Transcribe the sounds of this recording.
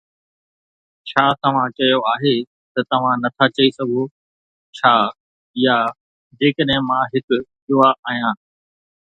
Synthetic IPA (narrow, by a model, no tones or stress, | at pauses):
t͡ɕʰaːt̪ɐʋ̤ãt͡ɕɐjoaːɦe | t̪ɐt̪ɐʋ̤ãnɐt̪ʰat͡ɕɐisɐɡʱo | t͡ɕʰaː | ja | d͡ʑeːkəɗɦɪ̃mãɦɪkʊ̆ɗʊaʔaːɦjãː